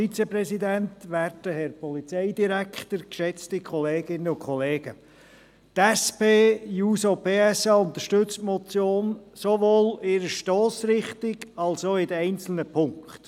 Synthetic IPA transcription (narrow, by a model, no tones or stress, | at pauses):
fit͡sɛpɾɛsidæntʋæɾdəhɛɾpʰɔlit͡sɛɪdiɾækχtəɾkʃɛt͡stikʰχɔleːɡ̥ɪnːəʊnkχɔleːɡ̥ə | t̪ɛspeːjuːsopeːɛsɑːʊnt̪əʃtʏt͡stmɔt͡sjoːnsovoːlɪɾəʃtɔːsɾɪχtɪɡɑlsoːɪdəɛɪnt͡sl̩nəpʰʊŋkt